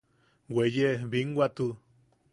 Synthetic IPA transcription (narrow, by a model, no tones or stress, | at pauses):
wejeβiŋɡwat̪u